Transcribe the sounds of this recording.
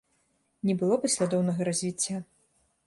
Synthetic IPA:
nʲɛbɨlˠɔpɐsʲlʲad̪ɔwnɐɣɐɾɐzʲvʲit͡sʲːa

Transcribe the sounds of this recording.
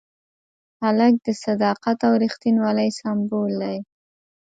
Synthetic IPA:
halak̚d̪əsad̪ɑqat̪awɾixt̪inwɑlajsambold̪aj

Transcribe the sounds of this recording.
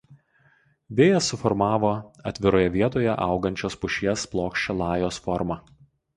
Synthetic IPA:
ʋʲeːjɛsːʊfɔɾmɑːʋoːɐt̪ʲʋʲɪɾoːjɛʋʲiɛt̪oːjɛʔɐˑʊɡɐnʲt͡ʃʲoːspʊʃʲiɛsplˠoːkʃʲt͡ʃʲɛlˠɑːjoːsfɔɾmɐ

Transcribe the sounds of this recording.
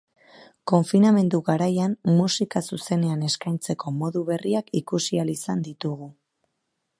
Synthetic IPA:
ko̞ɱfiname̞nd̪uɣaɾajanmusikasuse̞ne̞ane̞skajnt͡se̞ko̞mo̞ðuβe̞riakikusialisand̪it̪uɣ̞u

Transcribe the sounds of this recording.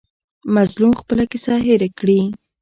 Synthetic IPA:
mazlumxpəlakɪsɑɦɪɾakɽi

